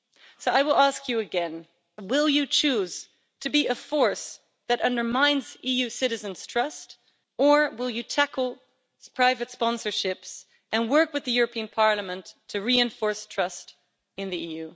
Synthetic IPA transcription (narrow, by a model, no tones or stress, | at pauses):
soʊaɪwəlˠæskʰjɨɨɡɛ̃n | wɪlˠjɨt͡ʃʰʉz̥ | tʰɨbiʔɨfɔɹs | ðɨɾʌ̃ndə˞mãɪ̃nzijʉsɪɾɨzɨ̃nz̥tʰɹ̥ʌst | ə˞wɪlˠjɨtʰækl̩ˠ | spʰɹ̥aɪvɨtspɑ̃nsə˞ʃɪps | ʔɨ̃nwɜ˞kwɨðɨjʊɹɨpʰĩɨ̃npʰɑɹlˠəmə̃ntʰːɨɹiɨ̃ɱfɔɹstʰɹ̥ʌst | ɨ̃nðiijʉ